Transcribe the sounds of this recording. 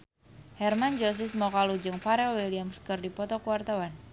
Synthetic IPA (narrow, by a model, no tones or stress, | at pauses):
hɛrmand͡ʒɔs̬ɪsmɔkalud͡ʒɨŋpaɾɛlwiliamskərdipɔt̪ɔkuwart̪awan